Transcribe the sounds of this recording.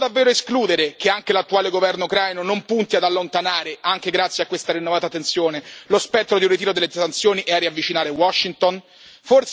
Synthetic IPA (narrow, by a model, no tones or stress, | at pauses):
d̪avːeːɾoeskluːd̪eɾek̟eaŋkelat̪ːuaːleɡovɛrnoukɾajnonompunt̪iad̪alːont̪anaːɾeaŋk̟eɡɾat̪sjakːwest̪aɾinːovaːt̪at̪ːent̪sjoːnelospɛt̪ːɾod̪iunrːit̪iːɾod̪elːesant̪sjoːniʔɛarːiavːit͡ʃinaːɾewɔʃːint̪on | for